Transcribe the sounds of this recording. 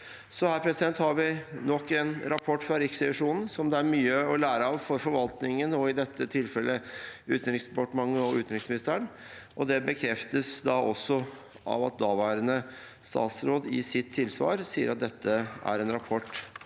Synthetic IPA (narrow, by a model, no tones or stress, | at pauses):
sɔhæːɾpʰɾɛsɪd̪ɛnt̪hɑɾʋɪnɔkːɛnɾɑpʰɔʈːfɾɑɾɪksɛʋɪʂuːnn̩sɔmd̪ɛæɾmyːəɔlæːɾəɑʋfɔɾfɔɾʋɑlt̪nɪŋənoɪd̪ɛt̪ʰːət̪ʰɪlfɛlːəʉːt̪n̩ɾɪŋspɑʈəmɑŋːəɔʉ̰ːt̪nɾɪŋsmɪnɪst̪əɳ | ʔɔd̪ɛbəkʰɾɛft̪əsd̪ɑʔɔsːɔ | ɑ̰ʋɑt̪̚d̪ɑːʋæːɾənə | st̪ɑ̰ːt̪sɾoːd̪ɪsɪt̪ʰːɪlsʋɑ̰ːɾsiːəɾʔɑt̪̚d̪ɛt̪ʰːəʔæ̰ɾɛnɾɑpʰɔʈː